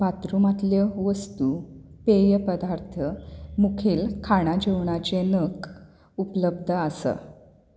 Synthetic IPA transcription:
bat̪ɾumat̪ljəʋəst̪upejəpəd̪aɾt̪ʰəmukʰiːlkʰaɽ̃ad͡ʑeʋɳ̃at͡ɕenək | upələb̚d̪ʱəasə̰

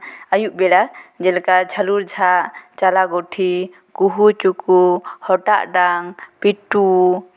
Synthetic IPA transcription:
ajuʔbɛɽad͡ʒɛlkad͡ʒʰaluɾd͡ʒʱaʔt͡ʃalaɡɔʈʰi | kuɦut͡ʃukuhɔʈaʔɖaŋpiʈu

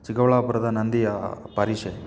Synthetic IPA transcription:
t͡ʃikɐʋɐɭaːpuɾɐd̪ɐnɐnd̪ijɐpɐɾiʂɐj

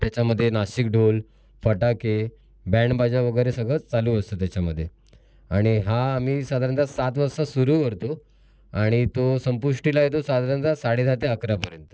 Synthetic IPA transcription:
t̪jat͡ɕaməd̪ʱːjenaɕikɖʱol | fəʈake | bɛɳbad͡ʑaʋəɡəjɾesəɡɭət͡saluəst̪ət̪̬jat͡ɕaməd̪ʱːje | aɽ̃iɦaːmiːsad̪ʱaɾənt̪asat̪ʋəɾsasuɾuːkəɾt̪o | aɽ̃it̪osəmpuʂʈilajet̪̬osad̪ʱaɾənt̪asaɽed͡zat̪eəkɾapəɾjənt̪ə

